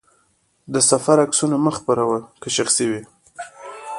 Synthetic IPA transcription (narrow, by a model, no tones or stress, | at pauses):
d̪əsafaɾaksunaməxpaɾawəkəʃaxsiwi